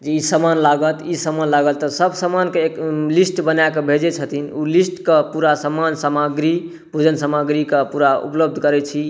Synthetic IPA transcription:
d͡ʒeisəmanlaɡət̪isəmanlaɡəlt̪əsəbsəmankeeklisʈbənajkebʱed͡ʒɛt͡ʃʰət̪ʰinulisʈkəpuɾasəmansəmaɡɾi | bʱud͡ʒənsəməɡɾikəpuɾaṵpləb̚d̪ʱkəɾɛt͡ʃʰi

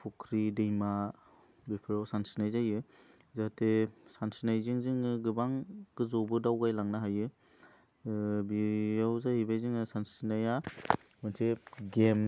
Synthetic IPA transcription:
pʰukʰɾidejma | bipʰiɾawsansinajzajɯ | zaatesansinajziŋziŋɯɡɯbaŋɡ̥ɯzɔbɯdawɡajlaŋnaɦajɯ | bijawzahibajziŋɯsansinaja | mɯnsʰeɡem

